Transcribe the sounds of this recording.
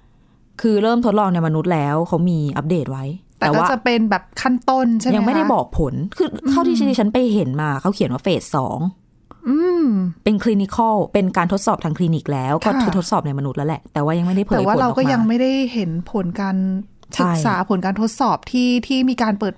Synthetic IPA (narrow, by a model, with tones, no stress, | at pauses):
kʰɯː˧ɾɤː˥˩mt̪ʰo˦˥t̪̚lɔː˧ŋna˧jma˧nu˦˥t̪̚lɛː˦˥wkʰa˦˥wmiː˧ʔa˦p̚deː˨˩t̪̚wa˦˥jt̪ɛː˨˩wkwːaː˥˩t͡ɕa˨˩pe˧nbɛː˨˩p̚kʰa˥˩nt̪o˥˩nt͡ɕʰa˥˩ja˧˦ma˥˩jɾa˥˩jbɔː˨˩k̚pʰo˨˩˦nkʰɯː˧˩kʰaː˥˩wt̪ʰiː˥˩a˥iː˥˩t͡ɕa˦˥npa˧jɦe˨˩˦nmaː˧kʰa˦˥wkʰi˨˩˦nwaː˥˩feː˨˩t̪̚sɔ̰ː˩˦ŋ | ʔɯː˧pe˧nkʰliː˧ni˧˥kʰa˥˩wpe˧nkaː˧nt̪ʰo˦˥t̪̚sɔː˨˩p̚t̪ʰaː˧kʰliː˧ni˦˥k̚lɛː˦˥wkɔː˥˩ɯː˧˩t̪ʰo˦˥t̪̚sɔː˨˩p̚na˧jma˧nu˦˥t̪̚lɛ˦˥lɛ̰˨˩ʔt̪ɛː˨˩waː˥˩ja˧ŋma˥˩jda˥˩pʰːwaː˥˨˦ɾa˧wɔ˨kɔː˥˩ja˧ŋma˥˩jda˥˩jhe˩˦npʰo˨˩˦nkaː˧n | st͡ɕɯ˨a˥k̚j̚saː˩˦pʰo˨˩˦nkaː˧nt̪ʰo˦˥t̪̚sɔː˨˩p̚t̪ʰiː˥˩t̪ʰiː˥˩miː˧kaː˧npɤː˨˩t̪̚